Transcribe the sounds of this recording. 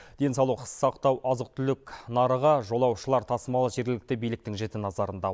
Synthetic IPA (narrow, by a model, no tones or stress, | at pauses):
d̪̥e̞nsɑwlˠuqʰə̥ssɑqt̪ɑwʔɑzəq̚t̪ʰʏlɪknɑɾəʁɑʒo̞lˠɑwʃəlˠɑɾt̪ʰɑsəmɑlˠəʒe̞ɾɡʲɪlɪk̚t̪ebijlɪk̚t̪ɪŋʒe̞t̪ɪnɑzɑɾənd̪ɑ